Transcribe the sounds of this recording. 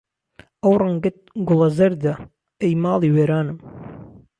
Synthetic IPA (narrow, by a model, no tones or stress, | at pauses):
ɐwrˤɨŋɡɨt̪̚ɡʊlˠɐzɐɾd̪ɐ | ejmɑːlˠiːweːɾaːnɨm